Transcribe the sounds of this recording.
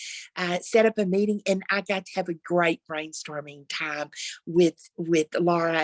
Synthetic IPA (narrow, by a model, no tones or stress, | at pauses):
ʔʌsɛɾʌpɨmiɾɪ̃ŋɨ̃na̰ɪɡɑtʰɨ̥ːvɨɡɹeɪt̚b̥ɹẽɪ̃nstɔɹmɪ̃ŋtʰãɪ̃mwɪð̥wɪðlɑɹɨ